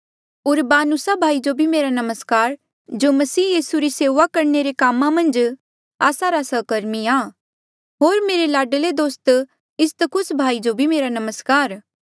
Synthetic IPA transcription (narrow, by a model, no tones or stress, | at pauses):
ʊɾbaːnʊsabʱaːid͡ʒobʱimeːɾanɐməskaːɾ | d͡ʒomɐsiːjiːsuɾiseːʋakɐɾɳeɾekaːmãmɐ̃nd͡ʒ | aːsaɾasəːkɐɾmiaː | ɦoːɾmeːɾelaːɖled̪oːst̪ | ɪst̪əkʰʊsbʱaːid͡ʒobʱimeːɾanɐməskaːɾ